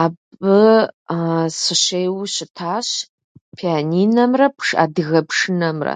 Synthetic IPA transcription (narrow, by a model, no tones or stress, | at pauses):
abɨ | sɨʃʷejwʃɪtʰaʃ | pʰianinamrapʰʂa̰dɣapʰʂɨnamra̰